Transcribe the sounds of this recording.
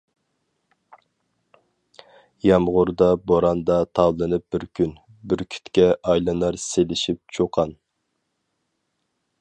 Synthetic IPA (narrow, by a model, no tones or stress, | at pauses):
jɑmʁʊɾd̪ɑboɾɑnd̪ɑt̪ʰɑwlˠɨnɨp̚bɪɾkʲʰyn | bɪɾkʲʰy̥t̪kʲɛʔɑjlˠɨnɑɾselɪʃip̚t͡ʃʰoqʰɑn